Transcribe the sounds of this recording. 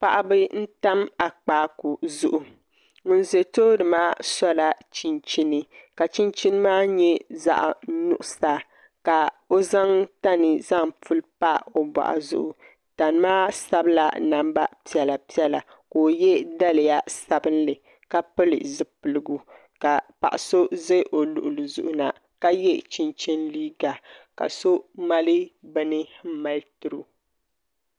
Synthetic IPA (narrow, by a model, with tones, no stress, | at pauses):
pa˨ʔa˨bɨ˦n̩˦ta˦ma˨k͡paː˨˦ku˨zʊ˦ʔu˨ | ŋʊ˨n˦ze˨toː˦dɨ˨maː˦sɔ˦la˦t͡ʃi˦nt͡ʃi˦nɨ˦ka˨t͡ʃi˦nt͡ʃi˦nɨ˦maː˦ɲɛ˦za̰˦ʔnʊ̰˦ʔʊ˨sa˦ | ka˨o˦za˦ŋta˦nɨ˨za˦ŋpu˦lpa˦o˦ba̰˨ʔa̰˨zʊ̰˦ʔʊ˨ | ta˨n˦maː˦sa˦bla̰˦na˦mba̰˦pi˦ɛ˨la˨pi˦ɛ˦la˨ | koː˨jɛ˦da˦lɪ˨ja˦sa˦bɨ˦nlɨ˨ | ka˦pɨ˦lɨ̰˨zɨ˦pɨ˨lɨ˦ɡu˦ | ka˨pa̰˨ʔa˨so˦ze˦ʔo˨lu˨ʔʊ˨lɨ˨zʊ̰˨ʔʊ˦na˨ | ka˦jɛ˦t͡ʃi˦nt͡ʃɛ˦nliː˦ɡa˨ka̰˨so˦ma˦lɨ˦bɛ˦nɨ˦m̩˦ma˦ltʊ˨ɾɨ˦